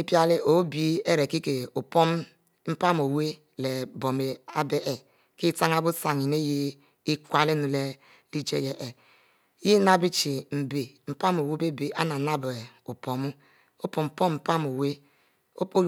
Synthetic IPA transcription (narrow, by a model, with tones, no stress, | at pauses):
i˦pja˦li˦o˨˦bi˦e˦ɾe˨ki˦ke˨o˨po˦m˦ | m̩˦pa˦m˨o˨we˦ | le˨bo˨me˨a˦be˦ʔe˨ | ki˦ta˦ŋ˦a˦bu˦sa˨ŋi˨ne˦ji˦ | i˦kʷa˦le˦nu˨le˦ | li˦d͡ʒḛ˦je˨ʔe˨˦ | ji˦na˦bi˦t͡ʃi˨m̩˨be˨m̩˨pa˦mo˨we˦be˦be˨ʔa˦na˨na˦be˨o˨po˨mu˦ | o˦po˨m̩˨po˦m˨m̩˨pa˦m˨o˨we˦ | o˦po˦